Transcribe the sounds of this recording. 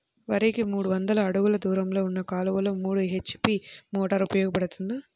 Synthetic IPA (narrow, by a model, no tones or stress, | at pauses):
ʋɐɾikimuːɽuʋɐnd̪ɐlɐːɽuɡulɐd̪uːɾɐmlo̞ːunːɐkaːlɐʋɐloːmuːɽuɦet͡ʃːpiːmɔːʈɐɾupɐjɔːɡɐpɐɽut̪und̪i